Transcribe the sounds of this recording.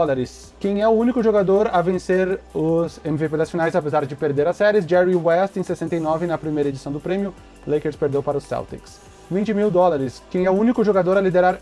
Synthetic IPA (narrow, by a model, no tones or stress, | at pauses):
ɔlaɾɪs | kẽj̃ɛʊũnikʊʒoɡad̪oɾɐvẽseɾʊzẽmiveped̪ɐsfinajzapezaɾd͡ʒɪpeɾd̪eɾɐsɛɾɪsd͡ʒɛɾiwɛst̪ẽj̃sesẽnt̪ɐjnɔvɪnɐpɾimejɾɐed͡ʒisɐ̃w̃d̪ʊpɾẽmiʊ | lejkeɾspeɾd̪ewpaɾɐʊsa̰wt̪ḭks | vĩnt͡ʃɪmiwd̪ɔlaɾɪskẽj̃ɛʊũnikʊʒoɡad̪oɾɐlid̪eɾaɾ